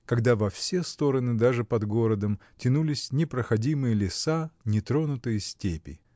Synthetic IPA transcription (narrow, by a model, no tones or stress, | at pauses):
kɐɡd̪avɐfsʲest̪o̞ɾənɨd̪aʐɨpɐd̪ɡo̞ɾəd̪əmtʲɪnulʲɪsʲnʲɪpɾəxɐdʲimɨjəlʲɪsanʲɪt̪ɾo̞nʊt̪ɨjəsʲtʲepʲɪ̰